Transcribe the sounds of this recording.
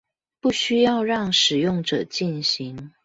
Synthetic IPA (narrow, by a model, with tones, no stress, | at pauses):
pu˥˩ɕy˥jɑ˥˧ʊɻɑ˥˩ŋʂɻ̩˨˩jʊ˥˩ŋʈ͡ʂɤ˨˩t͡ɕi˥˩nɕi˧˦ŋ